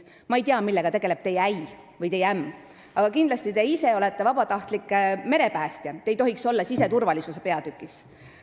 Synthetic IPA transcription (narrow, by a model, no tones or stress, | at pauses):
mɑejt̪iɑmilːe̞ɡ̥ɑt̪e̞ɡ̥e̞le̞b̥̚t̪e̞jæj | vɯjt̪e̞jæmː | ɑɡ̥ɑkind̪lɑst̪it̪e̞ise̞o̞le̞t̪ːe̞vɑbɑt̪ɑht̪likːˑme̞ɾe̞pæːst̪jɑt̪e̞jt̪o̞ɦikso̞lːɑsise̞t̪urvɑlisuse̞pe̞ɑd̪̥ykːˑis